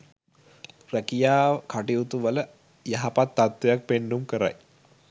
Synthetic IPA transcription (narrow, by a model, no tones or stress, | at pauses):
rækijaːkaʈiut̪uʋələ | jaɦapat̪ːat̪ʋejak̚penːumkəɾa̰j